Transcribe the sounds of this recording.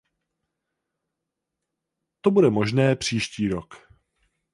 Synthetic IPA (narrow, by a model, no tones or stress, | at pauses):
t̪obudɛmo̞ʒnɛːpr̝̥iːʃciːɾo̞k